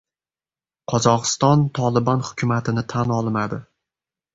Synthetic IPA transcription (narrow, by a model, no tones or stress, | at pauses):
qʰɒzɒqɨ̥st̪ɒnt̪ʰɒlˠɪbɒnhʊ̥kʲʰʊmat̪ʰɪnɪt̪ʰanɒlˠmad̪ɪ